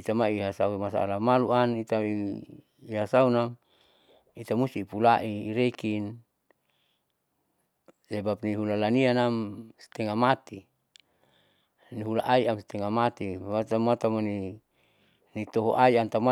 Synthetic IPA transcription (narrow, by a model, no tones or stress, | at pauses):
it̪amaiɦasaumasa̰a̰lamaluanit̪ai | iɦasaunam | it̪amust̪ipulaʔiːɾekin | sebap̚niɦulalanianamst̪ɛŋamat̪i | niɦulaʔaiamst̪ɛŋamat̪iat̪amat̪amoni | nit̪ɔɦɔʔaiant̪ama